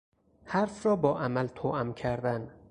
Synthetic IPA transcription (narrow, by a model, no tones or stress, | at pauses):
hæɾfrɒːbɒːʔæmælt̪ʰoːʔæmcʰæɾd̪æn